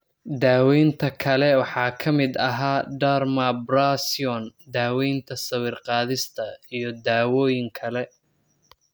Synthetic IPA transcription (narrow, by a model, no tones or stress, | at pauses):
d̪aːwɛjnt̪ʰɐkʰɐlɛwɑħɑːkʰɐmɪd̪ɐɦaːɖarmɐbrasiɔnd̪aːwɛjnt̪ʰɐsɐwiːrqɑːðɪst̪ʰɐijɔd̪aːwɔːjɪŋkʰɐlɛ